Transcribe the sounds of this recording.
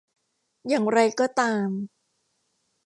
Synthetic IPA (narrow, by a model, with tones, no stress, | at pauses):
jaː˨˩ŋɾa˧jkɔː˥˩t̪aː˧m